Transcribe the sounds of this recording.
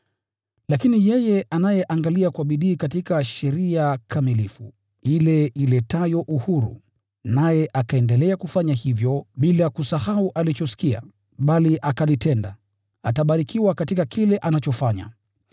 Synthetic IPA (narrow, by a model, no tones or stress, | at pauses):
lakinijɛjɛʔanajɛʔaŋɡaliakwaɓiɗiːkatikaʃɛɾiakʰamilifu | ilɛilɛtajɔʔuhuɾṵ | najɛʔakaɛndɛlɛakufaɲahivjɔɓilakusahauʔalit͡ʃɔsi̥kia̰ | ɓaliʔakalitɛnda | ataɓaɾikiwakatikakilɛʔanat͡ʃɔfaɲa̰